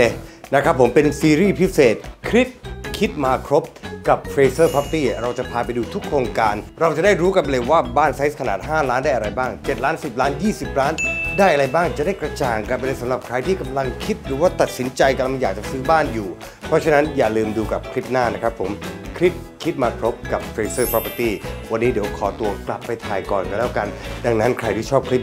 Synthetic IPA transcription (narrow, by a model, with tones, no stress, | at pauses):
e˧na˦˥kʰɾa˦˥pʰːo˩˦mpe˧nsiː˧ɾiː˥˩pʰi˦˥seː˨˩t̪̚kʰɾi˦˥p̪̚kʰi˦˥t̪̚maː˧kʰɾo˦˥p̚ka˨˩p̚fʰɾeː˧sɤː˥˩pʰa˦˥p̚t̪iː˥˩ɾa˧wt͡ɕa˨˩pʰaː˧pa˧jduː˧t̪ʰu˦˥kʰːɾoː˧ŋkaː˧nɾa˧wt͡ɕa˨˩da˥˩jɾuː˦˥ka˧npa˧le˧waː˥˩baː˥˩nsa˦˥s̚kʰa˧naː˨˩t̪̚ɦaː˥˩laː˦˥ndaː˥˩jʔa˧ɾa˧jbaː˥˩ŋt͡ɕe˨˩t̪̚laː˦˥nsi˨˩p̚laː˦˥njiː˥˩si˨˩p̚laː˦˥ndaː˥˩jʔa˧ɾa˧jbaː˥˩ŋt͡ɕa˨˩ʔdaː˥˩jkɾa˧t͡ɕaː˨˩ŋka˧˩pa˧lɤː˧sa˨˦mla˨˩p̚kʰɾa˧jt̪ʰiː˥˩ka˧mla˧ŋkʰi˦˥t̪̚ɾɯː˩˦waː˥˩t̪a˨˩t̪̚si˩˦nt͡ɕa˧jka˧la˧m˧jaː˨˩k̚t͡ɕa˨˩sɯː˦˥baː˥˩njuː˨˩ | pʰɾɔ˦˥t͡ɕʰa˧˥na˦˥njaː˨˩lɯː˧mduː˧ka˨˩p̚kʰɾi˦˥p̚naː˥˩na˦˥kʰɾa˦˥pʰːo˩˦mkʰɾi˦˥p̚ | kʰi˦˥t̪̚maː˧kʰɾo˦˥p̚ka˨˩p̚fʰɾeː˧sɤː˥˩pɔː˦˧pə˧t̪iː˥˩wa˧nːiː˦˥di˨˩˦wkʰɔː˩˦t̪u˧ɐkla˨˩pːa˧jt̪ʰaː˨˩jkɔː˨˩nklɛː˦˥˩wka˧nda˧ŋna˦˥nkʰɾa˧jt̪ʰiː˥˩t͡ɕʰɔː˥˩p̚kʰɾi˦˥p̚